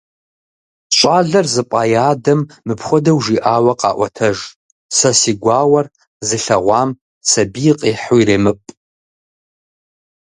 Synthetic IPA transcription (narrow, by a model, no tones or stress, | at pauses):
ɕʷʼaːɮɐrzɨpʼɑːjaːdɐmːɨpχʷɔdɐwʒiʔaːwɐqɑ̰ːʔʷɔ̰tʰɐʒ | sɐsiːɡʷɑːwɐr | zɨɬɐʁʷɑːm | sɐbiqʼiːħʊireːmɨpʼ